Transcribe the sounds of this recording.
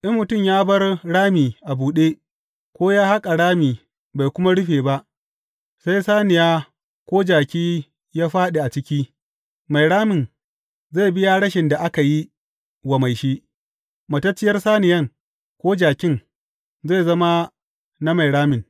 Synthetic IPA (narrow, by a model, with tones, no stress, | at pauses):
ʔɪ˦mmʊ˨tʊ˦˨mjaː˦bɐ˦rɽaː˦miː˨ʔa˨buː˨ɗeː˦ | kʷoː˦jaː˦ha˦kʼa˨ɽaː˦miː˨ | ba˨jkʷʊ˦ma˦ɽʊ˦ɸeː˨ba˦ʔ | sa˦jsaː˦nɪ˨jaː˦ | kʷoː˦d͡ʒaː˨kʲiː˦ | jaː˦ɸaː˦ɗe˨ʔa˨t͡ʃɪ˦kʲiː˦ | ma˨jɽaː˦mɪ˨n | za˦˨bɪ˦ja˦ɽɐ˦ʃɪ˨nda˨ʔa˦ka˨ji˦ | wɐ˨ma˨jʃiː˦ | mɐ˨tɐ˦t͡ʃːɪ˦jɐ˦rsaː˦nɪ˨jɐ˦ŋ | kʷoː˦d͡ʒaː˨kʲɪ˦ŋ | za˦˨zɐ˦ma˦ | na˦ma˨jɽaː˦mɪ˨n